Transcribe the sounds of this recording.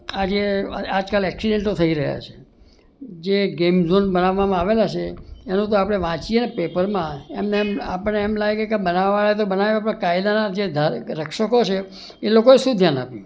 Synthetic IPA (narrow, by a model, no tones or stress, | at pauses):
ad͡ʒead͡ʒkalɛksiɖẽɳʈot̪ʰəiɾəɦja̰t͡ʃʰe̥ | d͡ʒeɡemzonbənaʋːamãaʋelat͡ʃʰeenũt̪oapɽ̃eʋãt͡ʃienepepəɾmãemnema̰pəɳeːmlaɡɡekebənaʋːaɭaet̪obənaʋjoapɽ̃akaid̪anad͡ʒed̪ʱaɾəkʰʃəkot͡ʃʰe | elokoeʃũd̪ʱjanapjũ